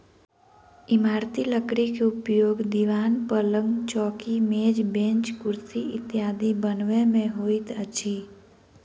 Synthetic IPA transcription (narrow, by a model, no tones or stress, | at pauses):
ɪmaːɾt̪iləkɾikeʊpjoːɡd̪iʋaːnpələ̃ŋɡt͡ʃɔːkimeːd͡ʒbẽːnt͡ʃkʊɾt̪iɪt̪jaːd̪ibənʋemẽɦoːit̪ət͡ʃʰi